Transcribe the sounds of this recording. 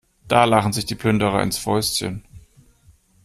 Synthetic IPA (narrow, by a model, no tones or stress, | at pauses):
d̥aːlaχn̩zɪçd̥iːpʰlʏndəʁɐ̰ʔɪ̰nsfɔʏstçə̰n